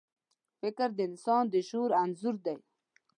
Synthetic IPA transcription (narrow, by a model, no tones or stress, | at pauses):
fɪkəɾd̪əɪnsɑːnd̪əʃuɾanzuɾd̪aj